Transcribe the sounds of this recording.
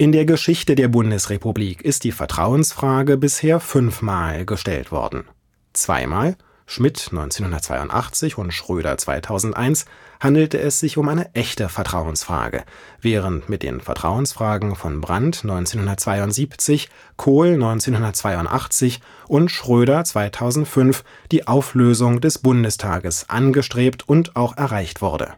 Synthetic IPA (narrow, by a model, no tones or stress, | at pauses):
ʔɪndeːɐɡəʃɪçtədeːɐbʊndəsʁepubliːkʰɪst̚d̥iːfɛɐtʁ̥a̰ʊənsfʁ̥aːɡəbɪsheːɐfʏnfmaːlɡəʃtɛ̰ltv̥ɔ̰ɐdn̩ | t͡sv̥a̰ɪma̰ːl | ʃmɪtnɔ̰ʏnt͡seːnhʊndɐtt͡sv̥a̰ɪʊ̰ntʔa̰χt͡sɪçʊntʃʁ̥øːɾɐ̰t͡sv̥a̰ɪtʰaʊzn̩tʔa̰ɪnshandl̩təʔɛsz̥ɪçʊmʔaɪnəʔɛçtəfɛɐtʁ̥aʊənsfʁ̥a̰ːɡə̰ | vɛːʁ̞əntmɪt̚d̥ḛːnfɛ̰ɐtʁ̥a̰ʊənsfʁ̥aːɡŋ̩fɔnbʁa̰ntnɔʏnt͡seːnhʊndɐtt͡sv̥aɪʊntz̥iːpt͡sɪç | kʰoːlnɔʏnt͡seːnhʊndɐtt͡sv̥aɪʊntʔa̰χt͡sɪç | ʔʊntʃʁ̥øːɾɐt͡sv̥aɪtʰaʊzn̩tfʏnf | d̥iːʔaʊfløːzʊŋdɛsb̥ʊndəstʰa̰ːɡəsʔa̰nɡəʃtʁ̥eːptʰʊntaʊxʔɛɐʁaɪçtv̥ʊɐdə̰